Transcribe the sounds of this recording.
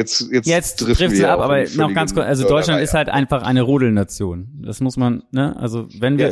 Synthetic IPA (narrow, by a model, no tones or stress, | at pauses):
ɛt͡sɛjaɛt͡stɪʁ̥ɪftziːʔapʔaːbɐnɔxɡ̥ant͡skʊɐt͡sʔalzodɔʏtlantɪsthaltʔa̰ɪnfaχʔa̰ɪnəʁoːdl̩nat͡sjoːnd̥asmʊsmannəʔʔa̰lzovɛnviːɐ